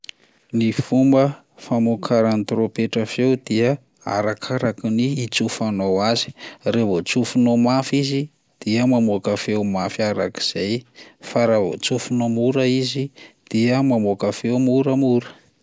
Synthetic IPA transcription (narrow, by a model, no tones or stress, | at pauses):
nifumbə | famokʰaɾanit̪ropeʈ͡ʂəfewd̪iə | a̰ɾakʰaɾakiniːt͡sufanowazi̥revot͡sufunomafizi | d̪̥iəmamokafewmafiaɾa̰ki̥z̥ajfaɾavo̰t͡sufunomuɾəizid̪̥iəmamokafewmuɾəmuɾə̥